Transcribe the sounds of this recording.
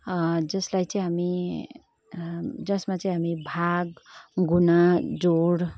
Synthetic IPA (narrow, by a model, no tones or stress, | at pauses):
d͡zʌslajt͡sʌĩɦami | d͡zʌsmat͡sãĩɦamibʱaɡɡunad͡zoɽ